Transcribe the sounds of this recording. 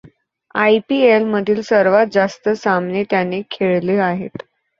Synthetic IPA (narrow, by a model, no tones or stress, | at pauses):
ajpielməd̪ʱiːlsəɾʋat̪̚d͡zast̪əsamnet̪janekʰeɭleaɦet̪